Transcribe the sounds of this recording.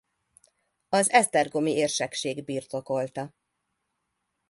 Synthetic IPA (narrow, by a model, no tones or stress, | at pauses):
ɒzɛst̪ɛrɡo̞mieːrʃɛkʃeːɡbiːrt̪o̞ko̞lt̪ɒ